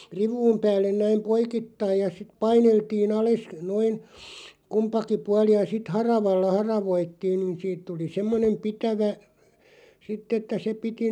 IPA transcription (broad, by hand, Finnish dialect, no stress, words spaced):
riʋˑuːm pæːlːen næim poikitːɑij jɑ sit̆ pɑineltiːn ɑles noin kumpɑki puɑli jɑ sit hɑrɑʋɑlːɑ hɑrɑʋoitːiːn niːn siːt tuli semːonem pitæʋæ sitˑ etːæ se piti